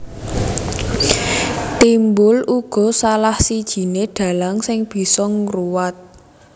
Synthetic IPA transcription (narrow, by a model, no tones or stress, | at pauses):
t̪imbʊluɡ̥ɔ̤salahsid̥ʒ̥i̤neɖ̪̥ä̤laŋsɪŋb̥i̤sɔŋruwat̪̚